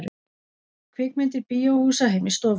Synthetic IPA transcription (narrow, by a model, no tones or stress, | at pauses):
ɾʏ | kʰvɪkmɪnt̪ɪɾpiːjowhuːsaɦejmɪst̪ɔːv